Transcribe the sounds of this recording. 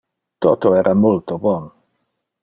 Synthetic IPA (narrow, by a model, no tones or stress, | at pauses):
t̪ot̪oɛːɾʔamult̪obɔn